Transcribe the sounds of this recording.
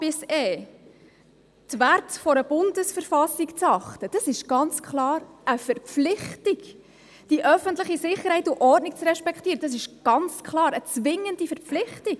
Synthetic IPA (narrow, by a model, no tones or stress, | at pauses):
bɪseː | tʋærtfɔɾəb̥ʊndəsfəɾfɑsikt͡sɑχtəd̥ɑsɪʃɡ̥ɑnt͡skχlɑːɾəfɛrpflɪχtiɡ | d̥iʔœfənt̪ləχisɪχːəɾhɛɪtuʔɔrdnɪk̚t͡srɛʃpɛkχt̪iːɾəd̥ɑs̬ɪʃɡ̥ɑnt͡skʰlɑːɾət͡sʋɪŋəndifɛɾpflɪχtik